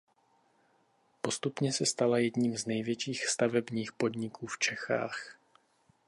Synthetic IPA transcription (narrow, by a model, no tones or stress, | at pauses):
po̞st̪upɲɛsɛst̪alajɛdɲiːmznɛjvjɛt͡ʃiːxst̪avɛbɲiːxpo̞d̪ɲɪkʰuːft͡ʃɛxa̰ːx